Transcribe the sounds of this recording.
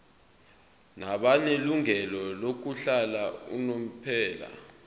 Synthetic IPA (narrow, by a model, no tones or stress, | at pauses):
naɓaneluŋɛlɔlok̬uɬalaṵnom̩pʰɛːla̰